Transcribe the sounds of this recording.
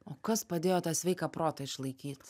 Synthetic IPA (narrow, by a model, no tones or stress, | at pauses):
oːkɐspɐd̪ʲeːjoːt̪ɑːsʲʋʲɛɪkɑpɾoːt̪ɐɪʃlˠɐɪkʲiːt̪ʲ